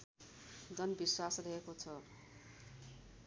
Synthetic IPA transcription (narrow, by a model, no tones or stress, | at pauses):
d͡zʌnbiswasrʌɦekot͡sʰʌ